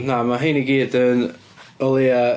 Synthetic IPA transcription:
namaɦejniɡiːdən | ɔlˠia

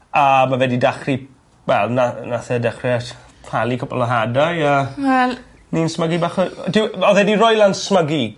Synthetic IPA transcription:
əmavɛdidaχri | wɛlˠnanaθɛdaχrɛa | pʰalˠikʰɔpʰɔ̰ləɦadajəwɛl | ninsməɡibaχədɪwɔðɛdiɾɔjlˠansməɡi

